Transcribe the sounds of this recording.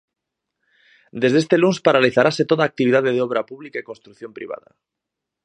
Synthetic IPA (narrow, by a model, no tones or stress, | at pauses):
d̪e̞zðe̞st̪e̞lunspaɾaliθaɾase̞t̪oðaːk̚t̪iβiðaðeð̞eoβ̞ɾapuβlikaikonst̪ɾukθjo̞mpɾḭβ̞a̰ða̰